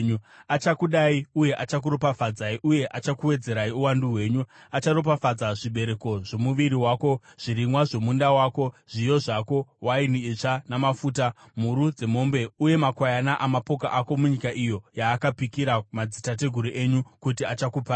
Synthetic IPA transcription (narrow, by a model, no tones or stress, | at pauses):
ɲuat͡ʃakuɗaiuje̞ʔat͡ʃak̬uɾo̞pafad͡zaiʔuje̞ʔat͡ʃakuwe̞d͡ze̞ɾaiuwanduɦwe̞ːɲu | at͡ʃaɾop̬afad͡zaʐiɓe̞ɾe̞ko̞ʐ̥o̞muʋiɾiwaːko̞ʐ̥iɾimwaʐo̞mundawaːko̞ʐ̥ijo̞ʐako̞wainiet͡ʂanamafuːta | muɾud͡ze̞mo̞mbe̞uje̞makwajanaʔamapo̞kaʔako̞muɲikaʔijo̞jaːkapikiɾamad͡zitat̬e̞ɡʱuɾiʔe̞ɲukutiat͡ʃakupa